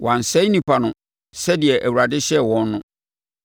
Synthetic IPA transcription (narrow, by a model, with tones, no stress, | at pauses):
wã˨n̩˨sɛ˦nĩ˨pʰa˨nʊ̃˨ | sɛ˦dɪ˨ɛ˨ʔæ˨wu˨ɾa˨dɪ˦ɕɛ˦wɔ̃˦nː˦ʊ̃˦